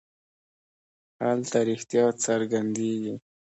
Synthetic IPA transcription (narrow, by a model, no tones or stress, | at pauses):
halt̪aɾixt̪jɑsaɾɡand̪eɡi